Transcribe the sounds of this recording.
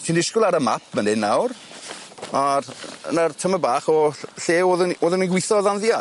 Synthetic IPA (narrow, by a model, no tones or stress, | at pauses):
tʰiːndɪskʊlˠaɾəma̰p̚ʰmənɪnːawr | arə̰nartʰəməbaːχɔɬeːoːðənoːðəniɡwɪθɔðanðja